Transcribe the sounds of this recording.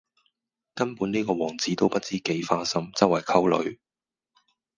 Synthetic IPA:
kɐ˥npu˨˥niː˥kɔː˧wɔː˨˩ŋt͡siː˨˥t̪o˥wpɐ˥t̚t͡siː˥ke˨˥jfaː˥sɐ˥mt͡sɐ˥wɐ˨˩jkʰɐ˥wlɵ̰˨˧ɥ

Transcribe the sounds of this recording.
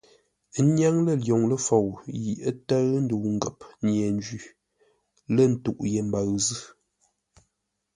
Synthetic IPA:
nja˦ŋlə˦˨ljo˨ŋlə˦fo˨wji˨ʔə˦tə˦ɣn̩˦du˨wŋ̩˦ɡə˨p̚ɲjɛ˨n˦d͡ʒi˦˨ | lə˦˨n̩˦tṵ˨ʔje˨m̩˦ba˨ɣzɨ˦

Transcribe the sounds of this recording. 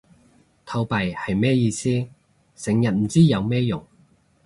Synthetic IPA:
t̪ʰɐ˧wpɐ˨˩jhɐ˨jmɛː˥jiː˧siː˥ | sɪ˨˥ŋjɐ˨˩t̚m̩˨˩t͡siː˥jɐ˨˧wmɛː˥jʊ˨˩ŋ

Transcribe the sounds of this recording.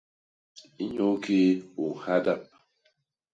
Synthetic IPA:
i˦ɲo˦ke˦o˨ha˦da˦˨p̚

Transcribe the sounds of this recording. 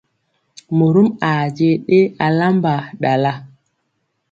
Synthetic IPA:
mo˨ɾu˦ma˨d͡ʒe˦ɗe˦a˨la˦mba˨ɗa˨la˦

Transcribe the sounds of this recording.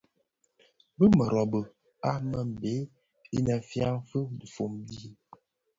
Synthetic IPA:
bə˦mə˨ɾɔ˨bə˨ | a˦mə˦˨m̩˨be˨˦ | i˦na˨fja˦ŋ˦fə˦di˨fo˨mbi˦

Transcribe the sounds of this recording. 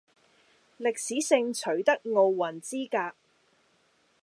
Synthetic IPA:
lɪ˨k̚siː˨˥sɪ˧ŋt͡ʃʰɵ˨˥ɥt̪ɐ˥k̚ŋo˧wːɐ˨˩nt͡siː˥kaː˧k̚

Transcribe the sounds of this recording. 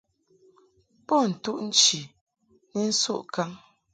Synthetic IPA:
po˦˨n̩˨tu˦ʔn̩˦t͡ʃi˨ | nɛ˦n̩˦sṵ˦˨ʔka˦ŋ

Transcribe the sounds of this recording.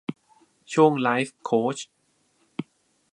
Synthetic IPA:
t͡ɕʰu˥˩əŋlaː˦˥jfkʰoː˦˥t͡ɕ

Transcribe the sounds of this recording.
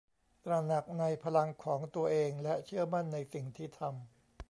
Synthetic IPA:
t̪ɾa˧na˨˩k̚na˧jpʰa˧la˧ŋkʰɔː˩˦ŋt̪u˧ɐʔeː˧ŋlɛ˦˥t͡ɕʰɯ˥˩ɐma˥˩nːa˧jsi˨˩ŋt̪ʰiː˥˩t̪ʰa˧m

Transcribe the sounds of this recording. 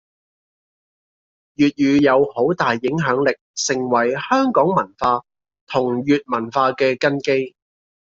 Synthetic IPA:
jyː˨t̚jyː˨˧jɐ˨˧who˨˥wt̪aː˨jːɪ˨˥ŋɦœː˨˥ŋlɪ˨k̚sɪ˨˩ŋwɐ˨˩jhœː˥ŋkɔː˨˥ŋmɐ˨˩nfaː˧ | t̪ʰʊ˨˩ŋjyː˨t̚mɐ˨˩nfaː˧kɛː˧kɐ˥nke˥j

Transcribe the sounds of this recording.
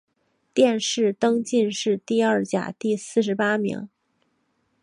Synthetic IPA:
t̪jɛ˥˧nʂɻ̩˥˩t̪ɤ˥ŋt͡ɕi˥˧nʂɻ̩˥˧t̪i˥˧ɐ˞˥˩t͡ɕja̰˨˩t̪i˥˧sɹ̩˥˩ʂ̬ɻ̩˧˥pa˥mḭ˧˥ŋ

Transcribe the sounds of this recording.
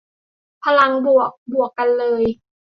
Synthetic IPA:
pʰa˧la˧ŋbu˨˩ək̚bu˨˩əkːa˧nlɤː˧j

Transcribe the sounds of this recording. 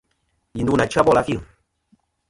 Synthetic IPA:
i˨du˦na˨t͡ʃa˦bɔ˦la˨˦fi˦˨

